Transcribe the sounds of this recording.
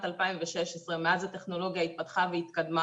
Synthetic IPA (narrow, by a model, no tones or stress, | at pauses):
t̪alpaimveʃeʃesʁemeazat̪eχno̞lo̞ɡjait̪̚pat̪χaveit̪kad̪ma